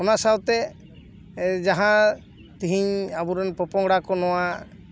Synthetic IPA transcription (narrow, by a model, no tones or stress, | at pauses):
ɔnasawt̪ɛ | d͡ʒaɦã | t̪iɦiɲabuɾɛnpɔpɔŋɡɽakɔnɔwa